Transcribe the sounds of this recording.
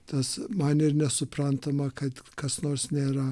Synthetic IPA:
t̪ɐsmɐnɪrnʲɛsʊpɾɐnt̪ɐmɐkɐt̪kɐsnoːrsnʲeːɾɐ

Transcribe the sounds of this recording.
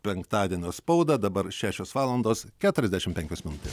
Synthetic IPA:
pʲɛŋkt̪ɑːd̪ʲiɛnʲoːspɐʊd̪ɐd̪ɐbɐɾʃʲæːʃʲoːsʋɑːlˠɐnd̪oːskʲæːt̪ʊɾʲɛzd̪ʲæɛʃʲɪmpʲɛŋʲkʲoːsmʲɪnʊt̪ʲes

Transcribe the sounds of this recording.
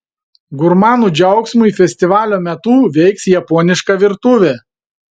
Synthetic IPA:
ɡʊɾmɑːnuːd͡ʒʲɛʊksmʊiːˑfʲɛsʲt̪ʲɪʋɑːlʲoːmʲɛt̪uːʋʲɛɪksjɛpɔːnʲɪʃkɐʋʲɪɾt̪ʊʋʲe

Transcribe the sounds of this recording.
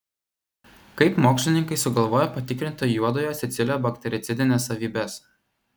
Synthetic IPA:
kɐɪpmoːksʲlʲɪnʲɪŋkɐɪsʊɡɐlˠʋoːjopɐt̪ʲɪkɾʲɪnʲt̪ojuɔd̪oːjoːsʲɛt̪sʲɪlʲoːbɐkt̪ʲɛɾʲɪt̪sʲɪd̪ʲɪnʲeːsːɐʋʲiːbʲɛs

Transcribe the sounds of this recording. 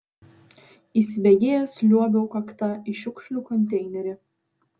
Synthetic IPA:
iːsʲɪbʲɛɡʲeːjɛslʲuɔbʲɛʊkɐkt̪ɑɪʃʲʊkʃʲlʲuːkɔnʲt̪ʲɛɪnʲɛɾʲɪ

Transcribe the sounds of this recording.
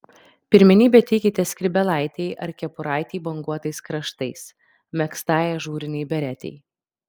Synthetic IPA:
pʲɪɾʲmʲɪnʲiːbʲɛt̪ʲɛɪkʲɪt̪ʲɛsʲkʲɾʲɪbʲɛlˠɑˑɪt̪ʲɛɪʔɐ̰ɾʲkʲɛpʊɾɑˑɪt̪ʲiːbɐŋɡuɔt̪ɐɪskɾɐʃt̪ɐɪs | mʲɛkst̪ɑːjɛʒuːɾʲɪnʲɛɪbʲɛɾʲæt̪ʲɛ̰ɪ

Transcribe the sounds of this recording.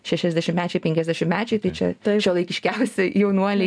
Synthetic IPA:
ʃʲæʃʲɛzʲd̪ʲæːʃʲɪmʲæːt͡ʃʲɛɪpʲɛŋʲkʲɛzʲd̪ʲæːʃʲɪmmʲæːt͡ʃʲɛɪt̪ɐɪt͡ʃʲɛ̰t̪ʃʲɛlˠɐɪkʲɪʃʲkʲɛʊsʲɛjɛʊnuɔlʲɪ

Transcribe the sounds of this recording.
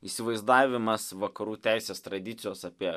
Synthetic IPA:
iːsʲɪʋɐɪzd̪ɑːʋʲɪmɐsʋɐkɐɾuːt̪ʲæɪsʲeːst̪ɾɐd̪ʲɪt̪sʲɪjoːsɐpʲiɛ

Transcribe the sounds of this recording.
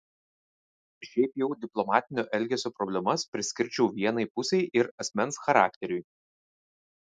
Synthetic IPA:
ʃʲɛɪpjɛʊd̪ʲɪplˠɔmɑːt̪ʲɪnʲoːʔɛlʲɡʲɛsʲoːpɾɔbʲlʲɛmɐspʲɾʲɪsʲkʲɪɾʲt͡ʃʲɛʊʋʲiɛnɐɪpʊsʲɛɪʔɪɾɐsʲmʲɛnsxɐɾɑːkʲt̪ʲɛɾʲʊj

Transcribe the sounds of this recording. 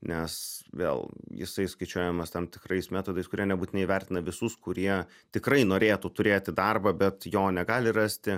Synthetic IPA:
nʲɛsʋʲḛːlˠjɪ̰sɐɪskɐɪt͡ʃʲuɔjɛmɐst̪ɐmt̪ʲɪkrɐɪsmʲæːt̪oːd̪ɐɪskʊɾʲiɛnʲɛbuːt̪ʲɪnɛɪʋʲɛrʲt̪ʲɪnɐʋʲɪsʊskʊɾʲiɛ | t̪ʲɪkɾɐɪnoːɾʲeːt̪ut̪ʊɾʲeːt̪ʲɪd̪ɐrbɐbʲɛt̪joːnʲɛɡɑːlʲɪrɑsʲt̪ʲɪ

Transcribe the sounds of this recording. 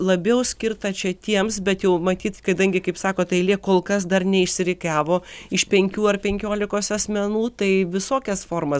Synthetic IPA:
lˠɐbʲɛʊsʲkʲɪrt̪ɐt͡ʃʲɛt̪ʲiɛmsbʲɛt̪jɛʊmɐt̪ʲiːt̪kɐd̪ɐŋʲɡʲɪkɐɪpsɑːkoːt̪ɐɪlʲiɛkoːlˠkɐs̬d̪ɐrnʲɛɪʃʲsʲɪɾʲɪkɑːʋoːɪʃpʲɛŋʲkʲuːɐrpʲɛŋʲkʲoːlʲɪkoːsɐsʲmʲɛnuːt̪ɐɪʋʲɪsoːkʲɛsfoːrmɐ

